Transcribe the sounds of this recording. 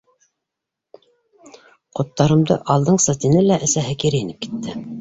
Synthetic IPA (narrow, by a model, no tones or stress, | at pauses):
qŏt̪ːɑɾɤ̆md̪ɤ̰ʔɑlˠd̪ɤɴsɑt̪inɘlæʔæsæɦɘkiɾɘjinɘp̚ki̥t̪ːɘ